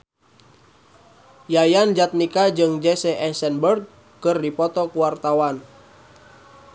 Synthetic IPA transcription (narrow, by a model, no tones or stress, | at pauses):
jajand͡ʒat̪̚nikad͡ʒɨŋd͡ʒɛsɛʔɛsɛnbərɡ̚ | kɨrdipɔt̪ɔkuwart̪awan